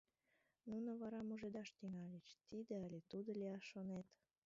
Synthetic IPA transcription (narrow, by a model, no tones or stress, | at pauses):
nunəβɑɾɑmuʒed̪ɑʃt̪iŋɑlʲet͡ɕt̪id̪eəlʲet̪ud̪oliɑʃːonet̪